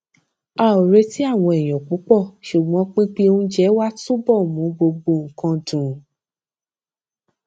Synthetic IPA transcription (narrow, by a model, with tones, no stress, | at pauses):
a˧˨o˨ɾe˧ti˦a˦˨w̃ɔ̃˧ɛ˨j̃ɔ̃˨k͡pu˨˦k͡pɔ˦˨ʃu˨ɡ͡bɔ̃˨˦k͡pĩ˦k͡pi˦ũ˦d͡ʒɛ˦wa˦tu˦bɔ˦˨mũ˨˦ɡ͡bo˧ɡ͡bo˧˨ŋ̩˨kã˧dũ˨